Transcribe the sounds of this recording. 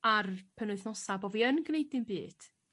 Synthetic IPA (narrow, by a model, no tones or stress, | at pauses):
arpʰənʊɨθnɔsabɔviənɡnejdɪnbḭːd̥